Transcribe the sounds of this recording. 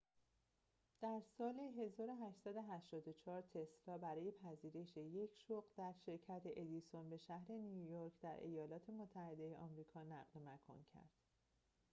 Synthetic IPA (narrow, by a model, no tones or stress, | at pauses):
d̪̥æɾsɒːleɦe̞zɒːɾo̞ɦæʃt̪sæd̪o̞ɦæʃt̪ɒːd̪o̞t͡ʃʰɒːɾt̪ʰe̞slɒːbæɾɒːje̞pʰæziːɾe̞ʃeje̞cʰʃoɢd̪̥æɾʃe̞ɾcʰæt̪ʰeʔed̪iso̞nbe̞ʃæɦɾe̞niujoɾcʰd̪æɾʔe̞̰jɒːlɒːt̪ʰe̞mot̪ʰːæhe̞d̪e̞jeʔɒmɾiːkʰɒːnæɣlmækʰo̰ncʰæ̰ɾd̪̥